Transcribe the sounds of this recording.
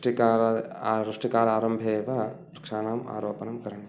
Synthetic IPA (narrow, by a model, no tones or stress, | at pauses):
ʈikaːɾɐɾuʂʈikaːɾaːɾɐmbʱeːʋɐɐ | ɾkʂaːnaːma̰ːɾoːpɐnɐmkɐɾɐɳe